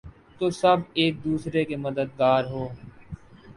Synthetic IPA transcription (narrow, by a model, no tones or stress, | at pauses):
t̪osɐbeːk̚d̪uːsɾekeməd̪əd̪̚ɡaːɾɦoː